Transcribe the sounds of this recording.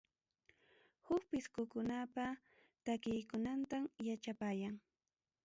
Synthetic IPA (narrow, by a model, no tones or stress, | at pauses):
hʊk̚pɪskʊkʊnapa | t̪akɪjkʊnant̪amjat͡ʃapaːjaŋ